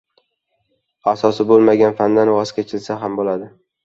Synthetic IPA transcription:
asɒsɪbolˠmaɡʲanfand̪anwɒskʲat͡ʃʰɪlsaɦambolad̪ɪ

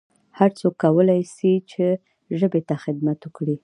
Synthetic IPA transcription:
haɾt͡sokːawəlajsit͡ʃe | ʒəbet̪axɪd̪mat̪ʊkɽi

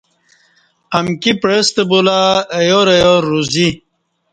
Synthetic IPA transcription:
ɐmkipɾest̪ebolaejoɾejoɾuzi

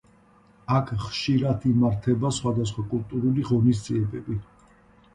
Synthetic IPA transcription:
akʰχʃiɾad̪imaɾt̪ʰɛbasχwad̪as̬χwakʼulˠt̪ʼuɾuliʁɔnis̬d̪ziɛbɛbi

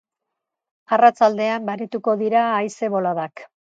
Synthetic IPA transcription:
arat͡sald̪e̞ambaɾet̪uko̞ðiɾaːjse̞βo̞laðak

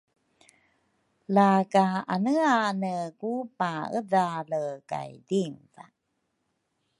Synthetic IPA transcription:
laɡaanəanəkupaədaləka̰jdiŋva̰

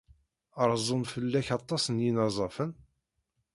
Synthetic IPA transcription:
əɾˤzˤonfəlːæçɑt̪ˤːɑsənjinɑzˤɑfən

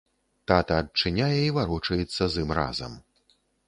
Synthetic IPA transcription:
t̪at̪ɐɐt̚t͡ʂɨnʲajɛivaɾut͡ʂɐjɛt̪sːɐzɨmra̰zɐ̰m

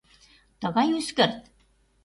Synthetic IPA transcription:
t̪ɤɣɑjyskə̆rt̪

